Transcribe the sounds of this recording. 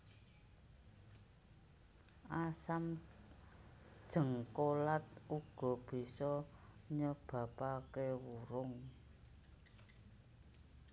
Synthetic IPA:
ʔasam | d̥ʒ̥ə̤ŋkolat̪̚uɡ̥ɔ̤b̥i̤sɔɲəb̥ä̤pakewuɾʊŋ

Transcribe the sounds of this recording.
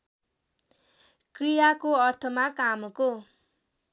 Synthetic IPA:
krijakoʌrt̪ʰʌmakamko

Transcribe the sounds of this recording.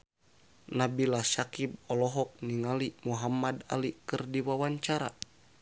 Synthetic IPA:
nabilasakib̚ɔlɔɦɔk̚niŋalimuɦamːada̰likɨrdiwawaɲt͡ʃaɾa̰

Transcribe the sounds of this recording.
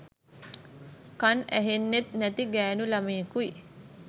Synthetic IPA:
kanæ̰ɦenːet̪næt̪iɡæːnulameːkui

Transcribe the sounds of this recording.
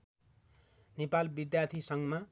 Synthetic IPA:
nepalbid̪jart̪ʰisʌŋma

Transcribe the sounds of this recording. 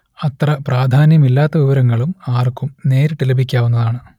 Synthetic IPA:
ɐt̪rɐpraːd̪ʱaːnjɐmilːaːt̪ːɐʋiʋɐɾɐŋːɐɭumaːrkːumne̞ːɾʈilɐbʱikʲːaːʋunːɐðaːɳɨ

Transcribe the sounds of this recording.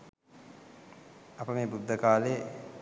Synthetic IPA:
apəmeːbud̪ʱːəkaːle

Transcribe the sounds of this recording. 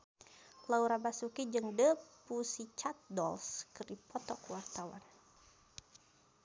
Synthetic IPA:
lauɾabasukid͡ʒəŋdəpusit͡ʃat̪̚dɔlskəripɔt̪ɔkwart̪awa̰n

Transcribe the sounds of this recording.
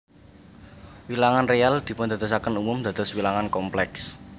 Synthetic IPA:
wilaŋanreald̪̥i̤pʊnd̪ä̤d̪ɔs̬akənumʊmd̪̥a̤d̪̥ɔ̤swilaŋankɔmplɛks

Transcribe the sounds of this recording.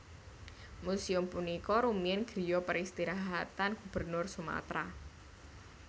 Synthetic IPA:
musiʊmpunikɔɾumiɪnɡ̥ɾijɔpəɾist̪iɾaɦat̪anɡ̥ub̥ərnʊrsuma̰t̪ɾa

